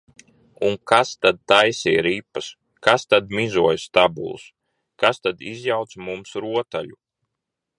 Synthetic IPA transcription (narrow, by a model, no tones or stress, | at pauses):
uŋkast̪ad̪̚t̪ajsiɾipːas | kast̪ad̪mizuɔjst̪abṵlˠs | kast̪ad̪izjawt̪smumsɾuɔt̪aʎu